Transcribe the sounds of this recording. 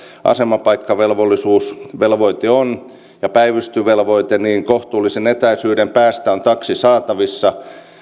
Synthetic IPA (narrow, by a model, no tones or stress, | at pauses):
ʔɑ̰semɑpɑikːɑʋelʋolːisuːsʋelʋoit̪eon | jɑpæiʋyst̪yʋelʋoit̪eniːŋkoht̪uːlːˑisenet̪æisyːdempæːst̪æont̪ɑksisɑːt̪ɑʋisːɑ